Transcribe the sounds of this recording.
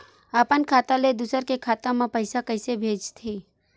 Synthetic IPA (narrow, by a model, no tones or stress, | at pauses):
apənkʰaːt̪aled̪usəɾkekʰaːt̪ãmãpəɪsakəɪsebʱeːd͡ʒt̪ʰiː